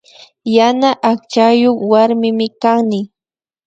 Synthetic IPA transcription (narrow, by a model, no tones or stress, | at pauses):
janaʔak̚t͡ʃajoχwaɾmɪmɪkaŋnɪ